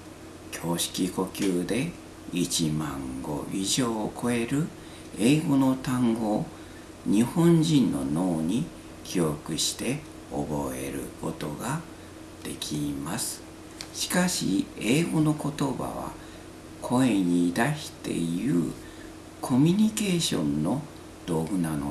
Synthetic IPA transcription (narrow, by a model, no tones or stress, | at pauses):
kʲʰo̞ːɕi̥kʲiko̞kʲɨːd̪e̞ | it͡ɕimã̰ŋɡo̞̰ʔiʑo̞ːkʰo̞e̞ɾɯ̟ | e̞ːɡo̞no̞t̪ãŋɡo̞ː | ɲ̟ihõ̞ɲd͡ʑĩnːo̞̰no̞ːɲ̟i | kʲʰio̞kɯ̟ɕi̥t̪e̞ | o̰bo̞e̞̰ɾɯ̟̰ko̞̰t̪o̞ɡa | d̪̥e̞̰kʲʰimasɨ̥ | ɕi̥kaɕḭe̞ːɡo̞no̞ko̞t̪o̞ba̰βa̰ | kʰo̞e̞ɲ̟iːd̪aɕi̥t̪e̞̰jɯ̟ː | kʰo̞mʲiɲ̟ike̞ːɕõ̞̰nːo̞ | d̪̥o̞ːɡɯ̟nano